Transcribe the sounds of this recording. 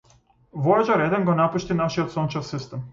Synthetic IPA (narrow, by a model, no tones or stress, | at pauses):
ʋojed͡ʒaɾed̪enɡonapuʃt̪inaʃiot̪sont͡ʃefsist̪ɛm